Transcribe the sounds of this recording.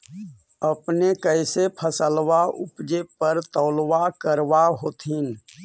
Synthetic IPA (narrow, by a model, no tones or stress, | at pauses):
əpnekəɪsepʰəsəlʋaʊpd͡ʒepəɾt̪ɔːlʋakəɾʋaɦoːt̪ɦiːn